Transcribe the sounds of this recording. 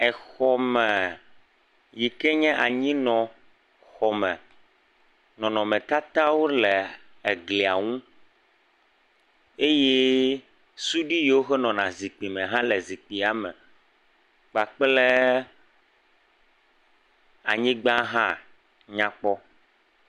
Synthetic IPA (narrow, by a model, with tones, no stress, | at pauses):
ɛ˨xɔ˨mɛ̃˨ | ji˨kɛ˦ɲɛ̃˦ʔa˨ɲĩ˦nɔ̃˨ | xɔ˨mɛ̰̃˨ | nɔ̃˨nɔ̃˨mɛ̃˨t̪a˦t̪a˦wo˦lɛ˨ | e˨ɡli˨a˨ŋũ˦ | e˦je˦ | su˦ɖi˦jwo˦xɛ˦nɔ̃˨nã˨zi˨k͡pi˨mɛ̃˨ɦã˦lɛ˨zi˨k͡pi˨a˨mɛ̰̃˨ | k͡pa˨k͡ple˦ | a˨ɲĩ˦ɡ͡bã˦ɦã˦ | ɲã˦k͡pɔ˦